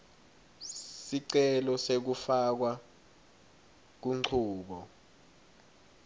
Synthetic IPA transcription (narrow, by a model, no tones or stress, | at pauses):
siǀɛlɔsek̬ufak̬wa | k̬uŋ͡ǃǀʰuːɓɔ